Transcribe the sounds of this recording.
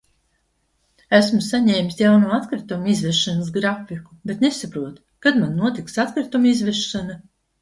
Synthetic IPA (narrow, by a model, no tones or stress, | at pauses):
æsmusaɲɛːmʲisjawnuːat̪kɾit̪umizvɛʃanas̬ɡɾafikubet̪nesapɾuɔt̪ | kad̪manːuɔt̪iksat̪kɾit̪umizvɛʃːana